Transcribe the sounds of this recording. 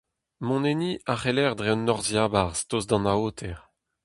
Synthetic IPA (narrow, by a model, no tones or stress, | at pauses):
mɔ̃neniaχelɛʁd̪ʁeɔnːɔʁzjaːbaʁst̪ozd̪ɑ̃naoːt̪ʰɛʁ